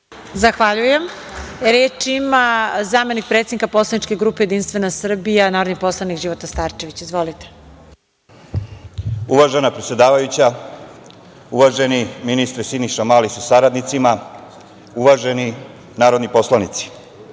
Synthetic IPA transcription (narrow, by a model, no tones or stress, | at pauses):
zaxʋaʎuje̞m | ɾeːt͡ʃimazaːme̞nik̚pɾet̪sed̪ikapo̞slˠanit͡ʃke̞ɡɾuːpe̞je̞d̪inst̪ʋe̞nasr̩bijanaːɾod̪nixpo̞slˠanikʒiʋot̪ast̪aːɾt͡ʃe̞ʋit͡ɕizʋo̞lit̪e̥ | uʋaʒenapɾet̪sʲje̞d̪aːʋajut͡ɕa | uʋaʒe̞niminist̪ɾesiniʃamaːlisusaɾad̪nit̪sima | uʋaʒe̞ni | naːɾo̞d̪nipo̞slanit̪si̥